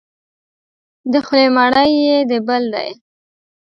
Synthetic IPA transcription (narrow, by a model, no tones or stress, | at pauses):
d̪əxlemaɽəjːed̪əbəld̪a̰j